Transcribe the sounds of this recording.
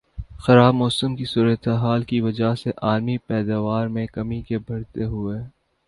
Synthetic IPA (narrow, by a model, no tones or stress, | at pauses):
xɐɾaːbmɔːsəmkisuːɾət̪eɦaːlkiʋɐd͡ʒaseʔaːlmipɛːd̪aːʋaːɾmẽkɐmikebʱɐɽt̪eɦʊeː